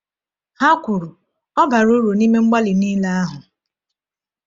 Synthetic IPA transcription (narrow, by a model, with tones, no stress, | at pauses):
ha˦kʷu˨ɾu˨ | ɔ˦ba˨ɾu˦ɾu˨ni˦me˦ŋ͡m̩˦ɡ͡ba˦lɪ˨ni˦la˦a˦ɦʊ˨